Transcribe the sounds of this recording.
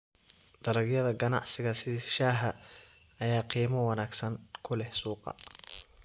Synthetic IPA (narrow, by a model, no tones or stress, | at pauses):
d̪̥ɐlɐɡjɐðɐɡɐnɑ̰ʕsɪɣɐsɪʃaːɦɐ | ɐjaːqiːmɐwɑnaːɡsɐŋkʰʊlɛhsuːqɑ̰